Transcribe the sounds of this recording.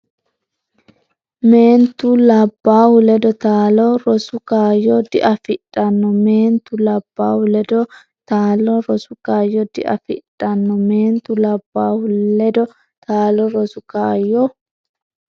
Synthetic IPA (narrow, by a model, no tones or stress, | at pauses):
meːnt̪ulɐbːaːhʊlɛd̪ɔt̪aːlɔɾɔsʊkaːjːoːd̪ɪʔɐfɪᶑʼːɐnːɔmeːnt̪ʊlɐbːaːhʊlɛd̪ɔ | t̪aːlɔɾɔsʊkaːjɔd̪ɪʔɐ̰fɪ̰ᶑʼːɐnːɔme̞ːnt̪ulɐbːaːhʊlːɛd̪ɔ | t̪aːlɔɾɔsʊkaːjːɔ